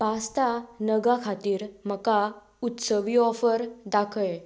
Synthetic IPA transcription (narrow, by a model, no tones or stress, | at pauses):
past̪anəɡakʰat̪iːɾm̤əka | ut̪səʋiɔfəɾd̪akʰəj